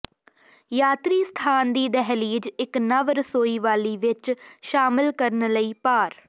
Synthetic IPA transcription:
jaːt̪ɾiːst̪ʰaːnd̪iːd̪ɛɦliːd͡ʒɪknəʋɾsoːiːʋaːliːʋɪt͡ʃʃaːmɪlkəɾənləiːpaːɾ

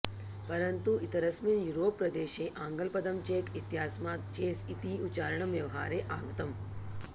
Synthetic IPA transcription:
pɐɾɐnt̪uit̪ɐɾɐsminjuɾoːpːɾɐd̪eːʃeːʔãːŋɡəlpɐd̪ɐmt͡ʃeːkit̪ijaːsmaːt̪̚t͡ʃeːsit̪iut͡ʃaːɾəɳɐmjɐʋɦa̰ːɾeʔaːɡɐt̪ɐm

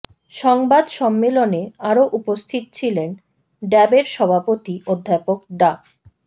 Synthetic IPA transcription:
ʃɔŋbad̪ʃɔmːeloneaɾoʔupost̪ʰit̪ot͡ɕʰilen | ɖɛbeɾʃɔbʱapot̪iʔod̪ʱːapokɖ̪a

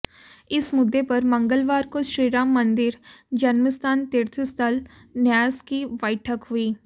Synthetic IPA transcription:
ɪsmʊd̪ːepɐɾmɐ̃ŋɡəlʋaːɾkoʃɾiːɾaːmːɐ̃nd̪ɪɾd͡ʒɐnməst̪ʰaːnt̪ɪɾt̪ʰst̪ʰəl | njaːzkiʋɐɪʈʰəkɦʊiː

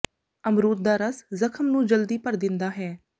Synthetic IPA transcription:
əmɾuːɾ̚d̪aːɾəszəkʰəmnũːd͡ʒəld̪iːpəɾd̪ɪnd̪aːɦɛː

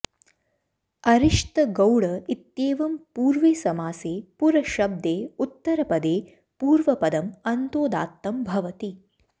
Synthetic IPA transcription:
ɐɾiʂt̪ɐɡɐwɽɐit̪jeːʋɐmpuːɾʋeːsɐmaːseːpuɾɐʃɐb̚d̪eːut̪ːɐɾɐpɐd̪eː | puːɾʋɐpɐd̪ɐmɐnt̪oːd̪a̰ːt̪ːɐmbʱɐʋɐt̪i

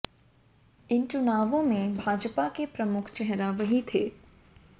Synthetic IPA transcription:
ɪnt͡ʃʊnaːʋõmẽbʱaːd͡ʒpakepɾɐmʊkʰt͡ʃɛɦɾaʋɐɦit̪ʰeː

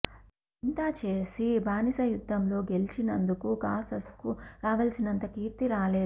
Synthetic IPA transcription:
int̪aːt͡ʃeːsibʱaːnisɐjud̪ʱːɐmlo̞ːɡe̞lit͡ʃinɐnd̪ukukaːsɐskuɾaːʋɐlsinɐnt̪ɐkiːɾt̪iɾaːle̞ːu

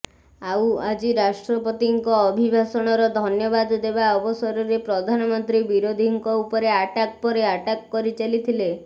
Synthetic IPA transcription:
awad͡ʒiɾasʈɾɔpɔt̪iŋkɔːbʱibʱasɔɽ̃ɔɾɔd̪ʱɔnjɔbad̪d̪ebaɔbɔsɔɾɔɾepɾɔd̪ʱanɔmɔnt̪ɾibiɾod̪ʱiŋkɔupɔɾeaʈakpɔɾeaʈakːɔɾit͡ʃalit̪ʰile

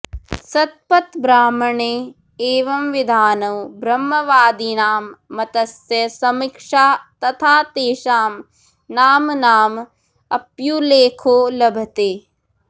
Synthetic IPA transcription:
sɐt̪̚pɐt̪bɾaːmɐɳeː | eːʋɐmʋid̪ʱaːnɐwbɾɐmːɐʋaːd̪inaːmːɐt̪ɐsjɐsɐmikʂaːt̪ɐt̪ʰaːt̪eːʃaːm | naːmnaːm | ɐpjuleːkʰoːlɐbʱɐt̪eː

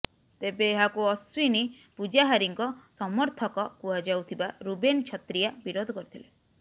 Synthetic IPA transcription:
t̪ebeːɦakuɔswini | pud͡ʒaɦaɾiŋkɔsɔmɔɾt̪ʰɔkɔkuɦad͡ʒawt̪ʰibaɾubent͡ʃʰɔt̪ɾijabiɾod̪ʱɔkɔɾit̪ʰile

